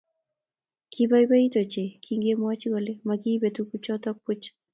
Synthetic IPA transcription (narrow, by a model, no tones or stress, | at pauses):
kʰibajbaitɔt͡ʃekʰiŋɡemwat͡ʃiɡɔlemakibetukut͡ʃɔtɔk̚put͡ʃ